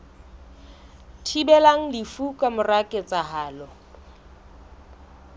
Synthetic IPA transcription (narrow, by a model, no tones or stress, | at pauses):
tʰibɛlaŋ̩lifukʼamʊrakʼɪt͡sʼaɦaːlɔ